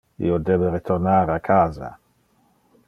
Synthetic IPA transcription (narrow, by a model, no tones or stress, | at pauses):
ḭod̪eːbeɾet̪ʰornaːɾakʰaːza̰